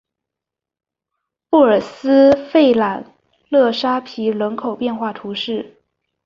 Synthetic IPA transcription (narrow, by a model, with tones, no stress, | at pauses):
pu˥˩ə˞˨˩sɹ̩˥fe˥˩ɪla˨˩n | lɤ˥˩ʂa˥pʰi˧˥ɻə˧˥nkʰo˨˩ʊpjɛ˥˧nxwa˥˩t̪ʰu˧˥ʂɻ̩˥˩